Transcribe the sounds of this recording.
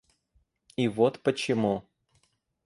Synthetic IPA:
ivot̪pət͡ɕɪmu

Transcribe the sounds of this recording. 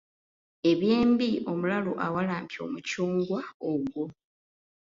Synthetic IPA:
e̞βje̞ːmbio̞mulaloʔawalaːmpjo̞̰ːmucuːŋɡwaoɡwo̞

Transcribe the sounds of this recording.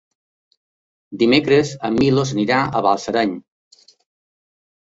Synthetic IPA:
d̪imekɾezəmilosniɾaə̰βalˠsəɾaɲ

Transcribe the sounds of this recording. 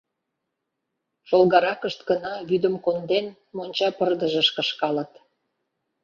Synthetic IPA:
ʃolɣɑɾɑkəʃt̪ɡənɑβyd̪əmkond̪en | monʲt͡ɕɑpərd̪əʒə̆ʃkə̆ʃkɑlə̆t̪

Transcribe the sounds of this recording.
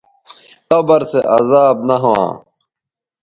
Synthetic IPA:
kɐbɐɾseʔɐzaːbnɐɦwã̰ː

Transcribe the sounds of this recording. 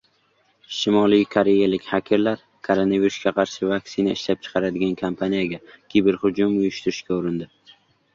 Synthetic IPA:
ʃɪmɒlˠɪjkʰoɾe̞jalɪkʲhakʲʰɪɾlaɾ | kʰolˠonaviɾʊsɡʲaqʰɑɾʃɪvaksɪnaɪʃlap̚t͡ʃʰɨ̥qʰɑɾad̪ɪɡʲankʰampʰanijaɡʲakʲibɪɾhʊd͡ʒʊmʊjʊʃt̪ɪɾɪʃkʲaʊɾɪnd̪ɪ

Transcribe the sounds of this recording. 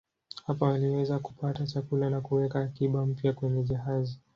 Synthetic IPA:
hapawaliwɛzaku̥patat͡ʃakulanakuwɛkaːkiɓam̩pjakwɛɲɛʄaɦazi

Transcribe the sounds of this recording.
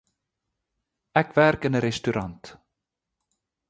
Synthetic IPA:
ɛkvɛɾkənɛɾɛst̪yɾʔa̰nt̪

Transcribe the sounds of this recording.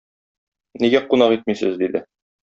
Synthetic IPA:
niɡæqunɑqit̪̚misɘzd̪id̪ɘ

